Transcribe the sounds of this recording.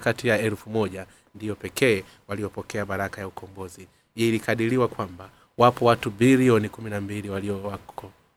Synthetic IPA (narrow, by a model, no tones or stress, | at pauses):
katijaɛlfumɔʄa | ndijɔpɛkʰɛː | walijɔpɔkɛaɓaɾakajaukʰɔmbɔzi | ilikaɗiliwakwamba | wapɔwatubiliɔnikuminambiliwaliɔwakɔ